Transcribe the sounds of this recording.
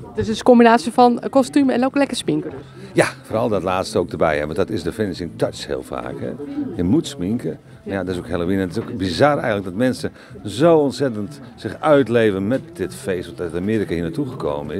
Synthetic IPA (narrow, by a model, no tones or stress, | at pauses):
dsɪskɔmbinaːsjəfɔnkɔstyməɛnoklɛkəspiŋkəd | jafoːrɾɔlˠdɔtlaːtstəoːwk̚dərbɛ̰jɛ̰ʋɔndɔtɪsdəfɪnəsɪŋntatshɪ̰əlˠfa̰ːkhɛ̰jəmutsmiŋkə | mjadɔɪsokhelˠoʋinntɪsokbizarɛ̰jɣənlək̚dɔtmɛnsə | zowɔntsɛtənt | sɪxœɥtleːvənmɛt̚dɪtfejstʋɔttamɪːɾikahiənatuɣəko̰ːwmənɪ